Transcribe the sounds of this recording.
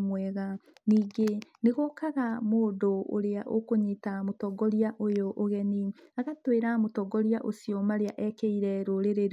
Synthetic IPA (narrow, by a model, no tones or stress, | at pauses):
mwɛːɣaniːɡeneɣɔkaɣamoːdoo̰ɾeaʔo̰koɲetamotɔɡɔɾiaʔojoʔoɣɛniaɣatweɾamotɔɡɔɾjaʔosiɔmaɾeaʔɛkeiɾɛɾoɾeɾeɾ